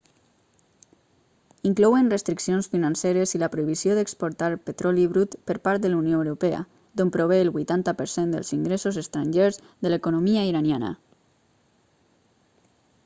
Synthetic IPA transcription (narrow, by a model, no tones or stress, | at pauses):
iŋklɔwenrəst̪ɾiksionsfinanseɾeziləpɾoiβ̞isioðəkspoɾt̪aɾpət̪ɾɔliβɾut̪pəɾpaɾt̪̚d̪əlunjoəwɾupeə̰ | d̪ompɾoβeːlˠβujt̪ant̪əpəɾsend̪ə̰lziŋɡɾesozəst̪ɾaɲʲʒeɾz | ðələkunomiaiɾanjanə̰